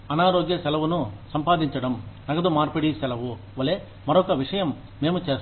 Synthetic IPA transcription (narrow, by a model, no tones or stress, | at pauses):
ɐnaːɾoːɡjɐsɛlɐʋunusɐmpaːd̪iɲt͡ʃɐɽɐmnɐɡɐd̪umaːɾpeɽisɛlɐʋu | ʋɐle | mɐɾɔkːɐʋiʂɐjɐmː | eːmut͡ʃeːs